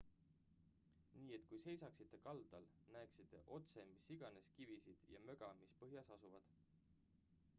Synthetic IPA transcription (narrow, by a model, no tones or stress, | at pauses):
niːe̞t̪kujse̞jsɑksit̪ˑːe̞kɑld̪̥ɑlnæeksit̪ːˑe̞ʔo̞t̪se̞misːiɡ̥ɑne̞skivisid̪̥jɑmø̞ɡ̥ɑmispɤɦjɑsɑsuvɑd̪̥